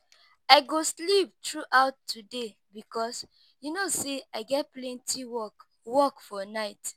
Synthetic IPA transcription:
aɪɡoslip̚tɹuʔaʊtːude | bikɔs | junoseaɪɡɛt̚plɛ̃ntʰiwɔk | wɔkfɔnaɪt

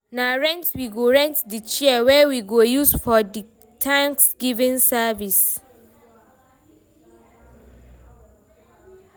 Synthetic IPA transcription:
naɹɛ̃ntwiɡoɹɛ̃ntdit͡ʃiɛwɛwiɡojusfɔdi | tʰãŋksɡ̥ivĩnsavis

